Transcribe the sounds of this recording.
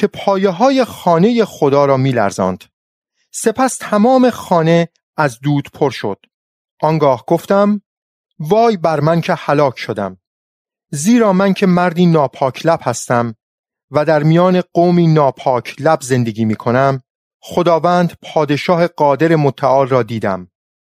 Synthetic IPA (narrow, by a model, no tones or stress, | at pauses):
cʰe̞pʰɒːjeɦɒːje̞xɒːneje̞xod̪ɒːɾɒːmiːlæ̰ɾzɒ̰ːnd̪̥ | se̞pʰæst̪ʰæmɒːme̞xɒːne̞ | æzd̪uːd̪̥pʰo̞ɾʃo̞̰d̪̥ | ʔɒŋɡɒːhɡ̥oft̪æm | vɒːjbæɾmæncʰehælɒːcʰʃo̞d̪æ̰m | ziːɾɒːmæncʰe̞mæɾd̪iːnɒːpʰɒːkʰlæb̥hæst̪æm | væd̪æɾmijɒːne̞ɢoːmiːnɒːpʰɒːcʰlæbze̞nd̪e̞ɡiːmiːkʰo̞næm | xo̞d̪ɒːvæːnd̪pʰɒːd̪e̞ʃɒːhe̞ɢɒːd̪e̞ɾe̞mot̪ʰːæʔɒːlrɒːd̪iːd̪æ̰m